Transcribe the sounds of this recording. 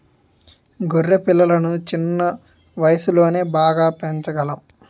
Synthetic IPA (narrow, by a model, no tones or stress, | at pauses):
ɡorːepilːɐlɐnut͡ʃinːɐ | ʋɐjɐsulo̞ːne̞ːbaːɡaːpeɲt͡ʃɐɡɐlɐm